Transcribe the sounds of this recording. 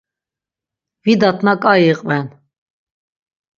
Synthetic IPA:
vid̪at̪ʰʼnakʼaiqʼvɛn

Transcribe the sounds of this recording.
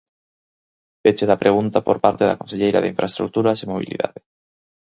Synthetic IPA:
bet͡ʃeðɐpɾʔeɣunt̪apoɾpaɾt̪eðɐa̰konseʎejɾɐ̰ðeiɱfɾʔaest̪ɾuk̚t̪uɾɐsemoβḭlḭða̰ðɪ

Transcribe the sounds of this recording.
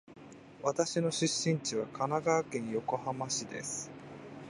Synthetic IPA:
βat̪aɕino̞ɕɨɕːĩɲ̟t͡ɕiβakʰanaɡaːkẽ̞ɰ̃jo̞ko̞hamaɕid̪e̞̰sɨ̥

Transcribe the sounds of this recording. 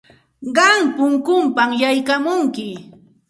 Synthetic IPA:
ɢɑŋpʊŋkʊmpamjajkamʊŋkɪ

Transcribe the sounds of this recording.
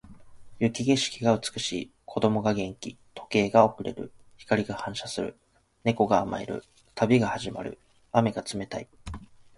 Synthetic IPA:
jɯ̟kʲiɡeɕi̥kʲiɡaɯ̟t͡sɨ̥kɯ̟ɕḭː | kʰo̞d̪o̞mo̞ɡaɡẽ̞ŋkʲi | t̪o̞̥ke̞ːɡao̞kɯ̟ɾe̞̰ɾɯ̟̰ | çi̥kaɾʲiɡahãɰ̃ɕasɨɾɯ̟̰ | ne̞ko̞ɡaːma̰ḛɾɯ̟̰ | t̪ʰabʲiɡahaʑima̰ɾɯ̟̰ | ame̞ɡat͡sɨme̞t̪ai

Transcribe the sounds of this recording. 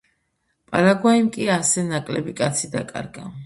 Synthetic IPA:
pʼalaɡwaimkʼiasɛnakʼlɛbikʼat̪sʰid̪akʼa̰ɾɡa

